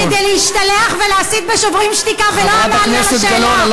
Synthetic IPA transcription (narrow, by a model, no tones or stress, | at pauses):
ed̪ejleiʃt̪aleaχveleasit̪̚beʃovʁimʃtikaveload̪alnɛseɡɐlonal